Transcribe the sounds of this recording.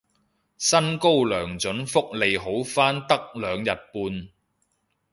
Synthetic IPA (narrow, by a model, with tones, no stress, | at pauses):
sɐ˥nko˥wlœː˨˩ŋt͡sɵ˨˥nfʊ˥k̚le˨jɦo˨˥wfaː˥nt̪ɐ˥k̚lœː˨˧ŋjɐ˨t̚puː˧n